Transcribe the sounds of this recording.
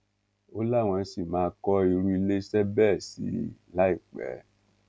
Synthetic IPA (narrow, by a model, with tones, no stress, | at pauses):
o˦la˦˨w̃ɔ̃˧˦si˦˨mãː˨˦kɔ˦i˧ɾũ˦i˧le˦sɛ˦bɛ˦˨sḭ˨˦la˦i˦˨k͡pɛ̰˨˦